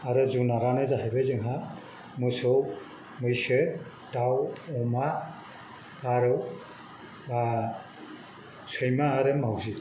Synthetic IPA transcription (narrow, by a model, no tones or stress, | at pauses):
aɾɯzunaɾanɯzaɦejbɯzɯŋɦa | mɯsɔw | mɯjsɯ | d̥awɔma | ɡaɾɯw | a | sʰɯjmaːɾɯmawzi